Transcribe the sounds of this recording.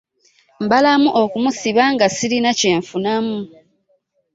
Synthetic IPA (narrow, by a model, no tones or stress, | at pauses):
mbalamuʔokumusiβaŋɡasiɾinace̞ːɱfunamu